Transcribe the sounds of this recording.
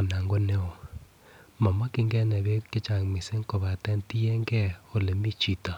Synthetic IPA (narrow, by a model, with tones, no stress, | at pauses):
na˨ŋɡo˦nɛ˦o˨ | ma˨ma˦ki˦ŋɡɛ˦nɛ˨βe˦ke˦t͡ʃa˨ŋme˨se˦ŋko˨βa˨tɛ˦nti˦ɛ˦ŋɡɛ˦o˦le˨mi˦t͡ʃi˨ta˨